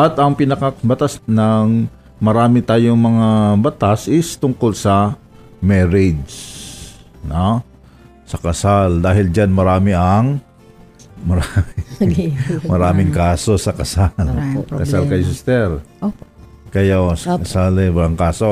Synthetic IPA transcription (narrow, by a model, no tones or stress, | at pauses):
ʔɐt̪ɐŋpɪnɐkɐbɐt̪asnɐŋ | mɐɾaːmɪt̪aːjoŋmɐŋabɐt̪asʔɪst̪ʊŋkolsɐ | mɛɾɪd͡ʒ | no | sɐkɐsald̪aːhɪld͡ʒanmɐɾaːmɪʔɐŋ | mɐɾamɪ | mɐɾaːmɪŋkaːso̞sɐkɐsalkɐsalkɐjsɪst̪ɛɾokɐjasɐkɐsalɛwɐlaŋkaːso